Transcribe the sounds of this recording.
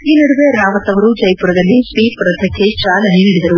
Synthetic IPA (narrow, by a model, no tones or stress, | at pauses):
iːnɐɽuʋeɾaːʋɐt̪ɐʋɐɾud͡ʒɐjpuɾɐd̪ɐlːipiːpɾɐt̪ʰɐkʰːet͡ʃaːlɐɦiniɽid̪ɐɾu